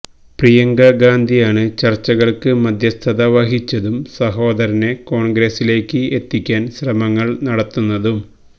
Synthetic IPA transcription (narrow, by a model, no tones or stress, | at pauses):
prijɐŋɡɐɡaːnd̪ʱijaːɳɨt͡ɕɐrt͡ɕːɐɣɐɭkɨmɐd̪ʱjɐst̪ʰɐðɐʋɐɦit͡ɕːɐðumsɐɦo̞ːd̪ɐɾɐne̞ko̞ːɳɡɾesile̞ːkːɨe̞t̪ːikʲːaːnɕrɐmɐŋːɐɭnɐɽɐt̪ːunːɐðum